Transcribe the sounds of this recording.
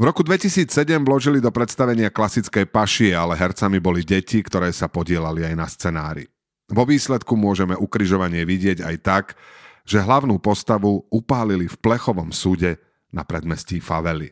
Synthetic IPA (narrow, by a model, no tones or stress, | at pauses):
vɾɔkud̪ʋɛcisiːt͡ssɛɟɛmvlɔʒilid̪ɔpɾɛt̪st̪aʋɛɲɪaklasitt͡skɛjpaʃiɛalɛɦɛɾt͡samibɔliɟɛcikt̪ɔɾɛːsapɔɟɪɛlaliajnast͡sɛnaːɾḭ | ʋɔʋiːslɛt̪kumʊɔʒɛmɛʔukɾiʒɔʋaɲɪɛʋiɟɪɛɟa̰jt̪akʒɛɦlaʊnuːpɔst̪aʋuupaːlilifplɛxɔʋɔmsuɟɛ | napɾɛd̪mɛsciːfaʋɛlḭ